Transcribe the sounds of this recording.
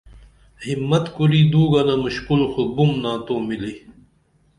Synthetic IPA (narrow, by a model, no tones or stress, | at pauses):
himːɐt̪kuɾiːd̪uːɡɐnamuɕkulxubumnãːt̪oːmili